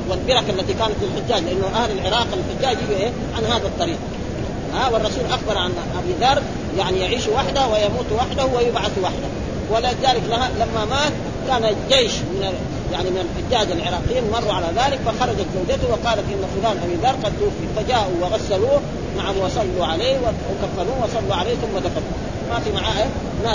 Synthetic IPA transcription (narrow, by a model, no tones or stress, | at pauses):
walbɪɾˤɑkalːat̪ikaːnat̪filħʊd͡ʒːaːɟlɪʔanːaʔahlalʕɪɾˤɑːqalħʊɟːaːd͡ʒhiʔeː | ʕanɦaːd̪at̪ˤːɑɾiːq̚ | awɑrˤːɑsuːlʔaxbɑɾˤʕanʔabiːd̪ɑɾˤ | jaʕnijaʕiːʃuwaħd̪ahawajamuːt̪waħd̪ahuwajubʕaθuwaħd̪a | walːazaːliklahalamːamaːt̪̚ | kaːnad͡ʒeːʃmɪna | jaʕnimɪnalʔad͡ʒːaːd̪alʕɪɾˤɑːqijiːnmɑrˤːuʕalaðaːlikfaxɑɾˤɑd͡ʒat̪zawd͡ʒat̪uwɪqɑːlat̪ʔinːafulaːnʔabiːd̪ɑɾˤqɑd̪t̪ufifad͡ʒaːʔuwɪɣasːaluː | maʕahwɑsˤɑlːuʕaleːwawkafːanuːwɑsˤɑlːuʕaleːθumːad̪afat̪u | mafimaʕaːʔe | na